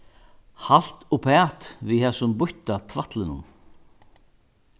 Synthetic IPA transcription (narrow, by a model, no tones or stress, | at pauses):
hal̥t̪ʊpʰɛːt̪vihɛsʊmbʊht̪at̪ʰvaht̪lɪnʊ̰n